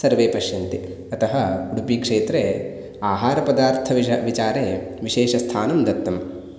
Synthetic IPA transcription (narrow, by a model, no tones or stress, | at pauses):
sɐɾʋeːpɐʃjɐnt̪i | ɐt̪ɐɦɐɡuɽupiːkʂeːt̪ɾeː | aːɦaːɾɐpɐd̪aːɾt̪ʰɐʋit͡ʃaːɾeːʋiʃeːʃɐst̪ʰaːnɐmd̪ɐt̪ːɐm